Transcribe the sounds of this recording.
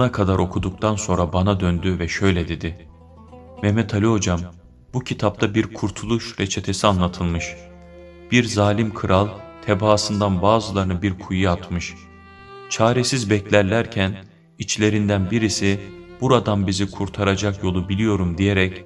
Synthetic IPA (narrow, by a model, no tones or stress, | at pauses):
bunakʰad̪aɾʔo̞kʰud̪uk̚t̪ʰanso̞nɾabanad̪ønd̪yvɛʃø̞jlʲɛd̪e̞d̪ɪ | mɛmɛt̪ʰalʲiɦo̞d͡ʒam | bucʰit̪ʰap̚t̪ʰabiɾkʰuɾt̪ʰulˠuʃɾet͡ʃʰe̞t̪ʰe̞sianlˠat̪ʰɯlˠmɯʃ | b̥iɾzaːlʲimkʰɯɾʔalˠt̪ʰebaːsɯnd̪anbaːzɯlˠaɾɯnɯbiɾkʰujɯat̪mɯʃ | t͡ʃʰaːɾesizbɛclʲæɾlʲæɾcʰæn | it͡ʃlʲe̞ɾind̪ænbiɾisib̥uɾad̪ambizikʰuɾt̪ʰaɾad͡ʒakjo̞lˠubilʲijo̞ɾumd̪ijeɾɛc